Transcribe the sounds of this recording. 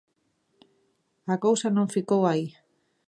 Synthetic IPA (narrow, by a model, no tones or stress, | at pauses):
akawsanõɱfikowai